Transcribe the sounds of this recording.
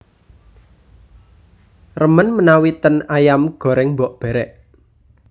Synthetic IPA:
rəmənmənawit̪ənajamɡ̥ɔ̤ɾɪŋmbɔʔb̥ɛ̤ɾɛʔ

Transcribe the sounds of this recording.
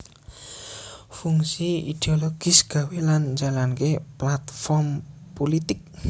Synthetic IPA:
fuŋsiḭd̪̥eoloɡ̥isɡ̥ä̤weland͡ʒalankeplat̪fɔrmpolit̪ɪk̚

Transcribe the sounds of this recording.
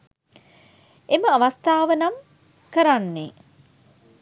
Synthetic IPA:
eməɐʋast̪aːʋənɐm | kəɾanːe

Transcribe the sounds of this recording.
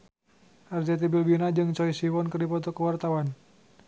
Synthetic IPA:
ʔard͡ʒat̪̬ibilbinad͡ʒɨŋt͡ʃɔisiwɔnkərdipɔt̪ɔkəwart̪awan

